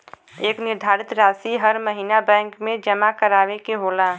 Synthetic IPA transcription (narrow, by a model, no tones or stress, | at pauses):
eːknɪɾd̪ʱaːɾɪt̪ɾaːsiɦəɾməɦiːnabɛ̃ːŋkmẽd͡ʒəmakəɾaːʋekeɦoːlaː